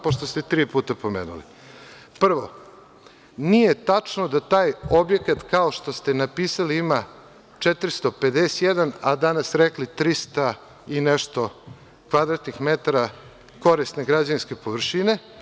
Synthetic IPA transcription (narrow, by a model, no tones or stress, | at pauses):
poʃt̪ost̪et̪ɾiːpuːt̪apo̞meːnṵlḭ | pr̩ʋo̞ | nije̞t̪at͡ʂnod̪at̪aːjo̞bje̞kat̪kao̞ʃt̪o̞st̪e̞napiːsaliima | t͡ʂet̪ɾist̪o̞ped̪ese̥t̪jed̪anad̪anasɾeklit̪ɾist̪a | ineʃt̪o̞ | kʋad̪ɾat̪nixmet̪aɾa | ko̞ɾist̪neɡɾad͡ʑaninskepo̞ʋr̩ʃine̞